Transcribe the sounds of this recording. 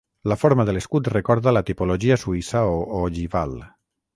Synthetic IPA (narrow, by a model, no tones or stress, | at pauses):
lafoɾmaðəleskut̪rekɔɾðalat̪ipoloʒiasuisaooʎiβa̰l